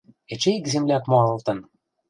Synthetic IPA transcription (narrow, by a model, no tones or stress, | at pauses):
et͡ɕekzemlʲæt̪moɑɤ̆lt̪ɤ̆n